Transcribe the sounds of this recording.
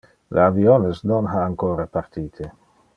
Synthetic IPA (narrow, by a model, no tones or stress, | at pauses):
lḛavionesnonɦaːŋkoːɾapaɾt̪iːt̪ʰe